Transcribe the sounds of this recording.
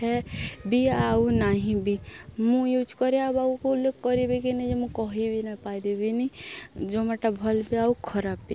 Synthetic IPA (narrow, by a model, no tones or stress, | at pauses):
ɛbiaunaɦĩbimũjud͡ʒkɔɾeabaukoulːekːɔɾibikinĩd͡ʒemũkɔɦibʱinapaid̪ibinid͡ʒomaʈabʱɔlbiaukʰɔɾapːi